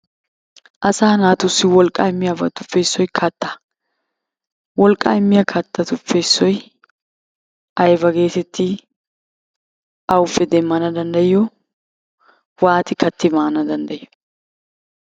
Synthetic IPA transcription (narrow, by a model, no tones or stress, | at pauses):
ʔɐsaːnaːt̪ʊsːɪwɔlkʼɐɪmːɪjabɐt̪ʊfːe̞ːsːɔjkʰɐt̪ːɐ̥ | wɔlkʼaɪmːɪjɐkʰɐt̪ːɐt̪ʊfːeːsːɔj | ʔɐjbɐɡe̞ːt̪ɛt̪ʰːɪ | ɐwʊfːɛd̪ɛmːɐnɐd̪ɐnd̪ɐjɔ | waːt̪ɪkɐt̪ːɪmaːnɐd̪ɐnd̪ɐjjɔ̥